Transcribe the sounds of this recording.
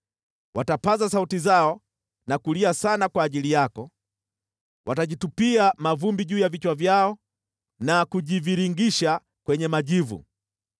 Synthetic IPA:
watapazasautizaɔ | nakuliasanakwaːʄilijakɔ | wʔataʄitupiamavumbiʄuːjavit͡ʃwavjaɔ | nakuʄiviɾiŋɡiʃa | kwɛɲɛmaʄivṵ

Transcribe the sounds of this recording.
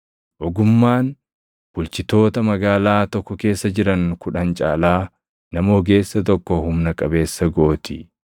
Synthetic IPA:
ʔɔɡʊmːaːn | b̥ʊlt͡ʃɪt̪o̞ːt̪ɐmɐɡaːlaːt̪ɔkːɔke̞ːsːɐd͡ʒɪɾɐŋkʊᶑɐnt͡ʃʼaːlaː | nɐmoːɡe̞ːsːɐt̪ɔkːɔhʊmnɐkʼɐbe̞ːsːɐɡoːt̪ɪ

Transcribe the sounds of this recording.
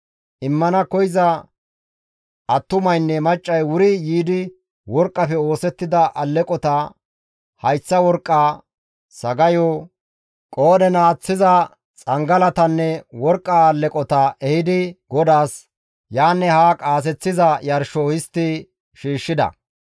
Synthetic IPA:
ʔɪmːɐnɐkɔjɪzɐ | ʔɐt̪ːʊmɐjnːɛmɐt͡ʃʼːɐjwʊɾɪjiːd̪ɪ | wɔɾkʼːɐpɛo̞ːsɛt̪ːɪd̪ɐʔɐlːɛkʼɔt̪ɐ | hɐjsːɐwɔɾkʼːaː | sɐɡɐjo | kʼoːd̪ɛnaːt͡sːɪzɐ | t͡sʼɐŋɡɐlɐt̪ɐnːɛwɔɾkʼːaːlːɛkʼɔt̪ɐʔɛhɪd̪ɪɡɔd̪aːs | jaːnːɛhaːkʼaːs̬ɛt͡sːɪzɐjɐɾʃɔhɪst̪ːɪ | ʃiːʃːɪd̪ɐ̰

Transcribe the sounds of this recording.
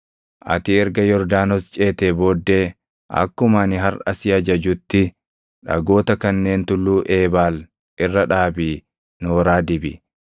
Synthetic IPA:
ʔɐ̰t̪ɪɛɾɡɐjɔɾd̪aːnɔst͡ʃʼe̞ːt̪eːboːd̪ːe̞ː | ʔɐ̰kːʊmɐnɪɦɐrɐ̰sɪɐd͡ʒɐd͡ʒʊt̪ːɪ | ᶑɐ̰ɡo̞ːt̪ɐkɐnːe̞ːnt̪ʊlːuːʔe̞ːbaːl | ʔɪrːɐᶑaːbiː | noːɾaːd̪ɪbɪ

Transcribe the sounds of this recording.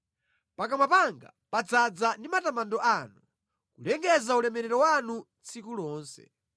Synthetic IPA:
pakamapaŋɡa̰ | pad͡zad͡zandimatamandɔʔanu | kulɛŋɡɛzaulɛmɛɾɛɾɔwanu | t͡sʰikulɔːnsɛ̰

